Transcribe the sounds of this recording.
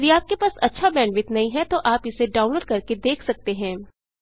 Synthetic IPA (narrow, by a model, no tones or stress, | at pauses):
ɾiaːp̚kepaːsɐtːʃʰabɛ̃ːɳɖʋɪt̪nɐɦĩɦɛt̪oʔaːpɪseɖaːʊnloːɖ̚kɐɾked̪eːkʰsɐk̚t̪eɦɛ̃ː